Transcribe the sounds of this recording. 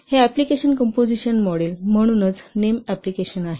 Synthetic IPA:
heæplikeɕənkəmpod͡ziɕənmɔɽelm̤əɽ̃uːnət͡snemæplikeɕənaɦe

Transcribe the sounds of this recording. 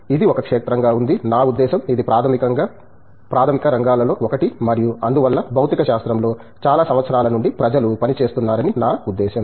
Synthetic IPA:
id̪iɔkɐkʂeːt̪ɾɐŋɡaːund̪inaːud̪ːɛːʃɐmid̪ipɾaːɐmkɐŋɡa | pɾaːt̪ʰɐmikɐɾɐŋɡaːlɐlo̞ːokɐʈimɐɾijuɐnd̪uʋɐlːɐbʱɐwt̪ikɐʃaːst̪ɾɐmlo̞ː | t͡ʃaːlaːsɐmʋɐt̪sɐɾaːlɐnuɳɖipɾɐd͡ʒɐlupɐnit͡ʃe̞ːst̪unːaːɾɐninaːud̪ːɛːʃɐm

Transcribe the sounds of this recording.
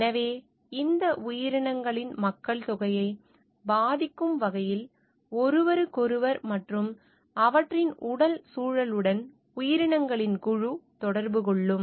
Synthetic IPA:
ɛnɐʋeː | ɪnd̪ɐʔʊjɪɾɪɳɐŋɡɐɭɪnmɐkːɐɭt̪ʊɣɐjɐɪ | baːðɪkːɯmʋɐɣɐjɪl | ɔɾɯʋɐɾɯkɔɾɯʋɐɾmɐʈrɯm | ɐʋɐʈrɪnʊɽɐlsuːɻɐlɯɽɐn | ʊjɪɾɪɳɐŋɡɐɭɪnkʊɻut̪ɔɽɐɾbɯkɔɭːɯm

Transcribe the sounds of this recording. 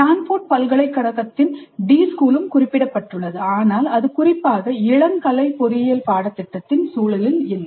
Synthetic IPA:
aːnfoːʈ̚pɐlɣɐɭɐɪkːɐɽɐɣɐt̪ːɪnɖiːskuːlɯmkʊrɪpːɪɽɐpːɐʈːɯɭːɐðɯaːnaːlɐðɯkʊrɪpːaːɣɐɪɭɐŋkɐlɐɪpɔɾɪjɐlpaːɽɐt̪ːɪʈːɐt̪ːɪnsuːlɐlɪlɪlːɐ

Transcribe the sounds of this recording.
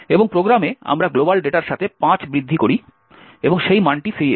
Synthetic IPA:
eboŋpɾoɡɾamea̰mɾaɡlobalɖeʈaɾʃat̪ʰepãt͡ɕbɾid̪ʱːikoɾi | eboŋʃejmaɳʈifeɾie

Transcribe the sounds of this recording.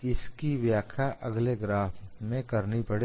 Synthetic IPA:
ɪskiʋjaːkʰjaʔɐɡleɡɾaːfmẽkɐɾnipɐɽe

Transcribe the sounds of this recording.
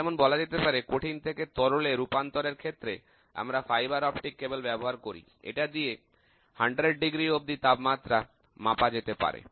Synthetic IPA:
ɛmonbɔlad͡ʑet̪epaɾekoʈʰint̪ʰeket̪ɔɾoleɾupant̪oɾeɾkʰet̪ːɾe | a̰mɾafajbaɾɔpʈikːebelbɛboɦaɾkoɾḭ | ḛʈad̪ije | haɳɖɾeɖɖiɡɾiob̚d̪it̪abmat̪ːɾa | mapad͡ʑet̪epa̰ɾḛ

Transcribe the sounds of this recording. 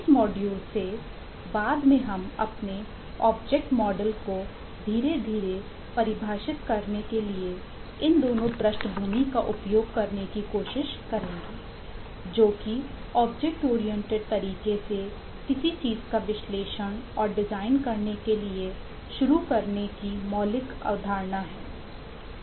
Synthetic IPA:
ɪsmɔːɖjuːlse | baːd̪mẽɦɐmɐ̰pne | ɔːb̚d͡ʒɛk̚ʈmɔːɖəlko | d̪ʱiːɾed̪ʱiːɾe | pɐɾɪbʱaːʃɪt̪kɐɾnekelie | ɪnd̪oːnõpɾəsʈbʱuːnikaʔʊpjoːɡ̚kɐɾnekikoːʃɪʃkɐɾẽːɡiː | d͡ʒoːki | ɔːbd͡ʒɛk̚ʈoːɾijɛ̃ɳʈeɖ̚t̪ɐɾiːkese | kɪsit͡ʃiːzkaʋɪʃleːʃəɽ̃ɔːɾɖɪzaːɪnkɐɾnekelie | ʃʊɾukɐɾnekimɔːlɪka̰ːd̪ʱaːɾnaɦɛː

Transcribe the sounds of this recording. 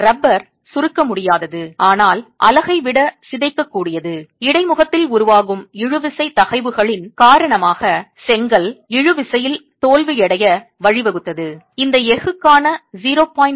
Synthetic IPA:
ɾɐbːɐɾ | sʊɾɯkːɐmʊɽɪjaːðɐðɯaːnaːlʔɐ̰lɐɣɐɪʋɪɽɐsɪðɐɪkːɐkːuːɽɪjɐðɯɪɽɐɪmʊɣɐt̪ːɪlʊɾʊʋaːɣɯmɪɻɯʋɪsɐɪt̪ɐɣɐɪʋɯɣɐɭɪnkaːɾɐɳɐmaːɣɐsɛŋɡɐlɪɻɯʋɪsɐjɪlt̪oːlʋɯjɛɽɐjɐʋɐɻɪʋɛɣɯt̪ːɐðɯ | ɪnd̪ɐɛɣɯkːaːnɐziːɾoːpaːjɪn

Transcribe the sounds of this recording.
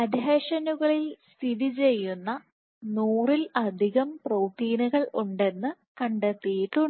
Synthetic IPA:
ɐd̪ʱeːɕɐnuɣɐɭilst̪ʰiðit͡ɕe̞jːunːɐ | nuːrilɐd̪ʱiɣɐmproːʈːiːnuɣɐɭuɳɖe̞nːɨ | kɐɳɖet̪ːijiʈːu

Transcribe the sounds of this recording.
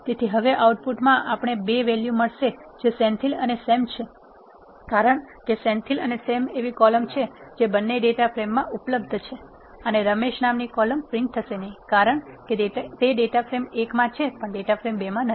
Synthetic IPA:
t̪et̪ʰiɦəʋeʔauʈ̚puʈmãʔapɳ̃ebeʋeljuməɭʃed͡ʒesɛnt̪ʰilənesemt͡ʃʰe | kaɾəɳkesɛ̃nt̪ʰilənesemeʋikɔləmt͡ʃʰed͡ʒebənːeɖeʈapʰɾemːãʔupləb̚d̪ʱt͡ʃʰe | əneɾəmeʃnamnikɔləmpɾɪ̃nk̚t̪ʰəʃenəɦĩkaɾəɳket̪eɖeʈafʰɾemekmãt͡ʃʰepəɳɖeʈafʰɾembemãnə

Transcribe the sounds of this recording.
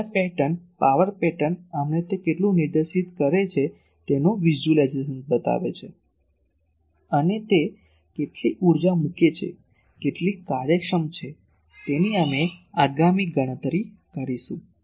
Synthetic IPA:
ɾpɛʈənpaʋəɾpɛʈənamnet̪ekeʈlũniɾd̪əɾʃit̪kəɾet͡ʃʰe | t̪enoʋid͡ʒulad͡ʒezənt̚bət̪a̰ʋḛt͡ʃʰe | ənet̪e | keʈliʔuɾd͡ʒamuket͡ʃʰḛ | keʈlikaɾjəkʂəmt͡ʃʰe | t̪eniameaɡamiɡəɽ̃ət̪ɾi | kəɾiʃṵ̃

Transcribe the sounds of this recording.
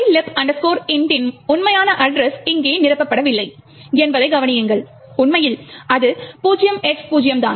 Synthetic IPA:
lɪpɐndɐskoːɾɪnɖɪnʊnmɐjaːnɐʔɐɖɾɛsɪŋɡeːnɪɾɐpːɐpːɐɽɐʋɪlːɐɪ | ɛnbɐðɐɪɡɐʋɐnɪjɯŋɡɐɭ | ʊnmɐjɪlɐðɯpuːd͡ʒɪjɐmɛʈspuːd͡ʒɪjɐmt̪a̰ːn

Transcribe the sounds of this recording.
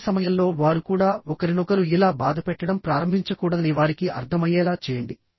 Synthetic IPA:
sɐmɐjɐllo̞ːʋaːɾukuːɽaːɔkɐɾinɔkɐɾuilaːbaːd̪ʱɐpɛʈːɐɽɐmpɾaːɾɐmbʱiɲt͡ʃɐkuːɽɐɐniʋaːɾikiɐɾt̪ʰɐmɐjɛːlaːt͡ʃɛːjɐɳɖi

